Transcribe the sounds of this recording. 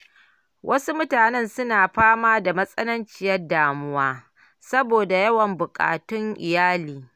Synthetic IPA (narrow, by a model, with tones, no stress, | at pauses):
wʔɐ˦su˦mʊ˦taː˨nɛ˦nsʊ˦naː˨ɸaː˦maː˦da˨mɐ˦sʼɐ˦nɐ˦nt͡ʃɪ˦jɐ˦rdaː˨mʊ˦waː˦ | sɐ˦boː˨da˨jɐ˦wɐ˨mbʊ˨kʼa̰ː˨tʊ˦ŋʔɪ˨jaː˦liː˨